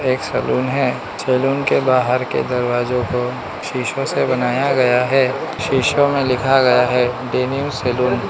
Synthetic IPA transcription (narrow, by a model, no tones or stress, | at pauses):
eːksɐluːnɦɛː | seːluːnkebaːɦəɾkḛd̪ɐɾwaːzõko | ʃiːʃõsebɐnaːjaɡɐjaɦɛːʃiːʃomẽlɪkʰaɡɐjaɦɛːɖeːniʊ̃mseːluːn